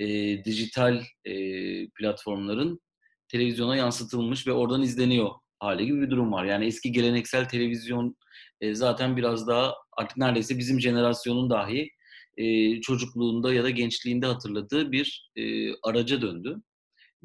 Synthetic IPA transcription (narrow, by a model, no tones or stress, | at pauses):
ɛːd̪iʒit̪ʰalʲɛplʲat̪fo̞ɾmlˠaɾɯn | t̪ʰe̞lʲe̞vizjo̞najansɯt̪ʰɯlˠmɯʃ̬vɛo̞ɾd̪anizlʲe̞nijo̞ | haːlʲiɟibibid̪uɾumvaɾjaːniɛsciɟe̞lʲe̞nɛcsælʲt̪ʰe̞lʲe̞vizjo̞n | ɛːzaːt̪ʰænbiɾazd̪aɦaa̰ɾt̪ʰɯ̥k̚næɾd̪ejsɛbizimʒe̞ne̞ɾasjo̞nund̪aɦi | ɛːt͡ʃʰo̞d͡ʒuklˠuːnd̪ajad̪aɟɛnt͡ʃlʲiːnd̪ɛɦat̪ʰɯɾlˠad̪ɯːbiɾɛːaɾad͡ʒad̪ønd̪y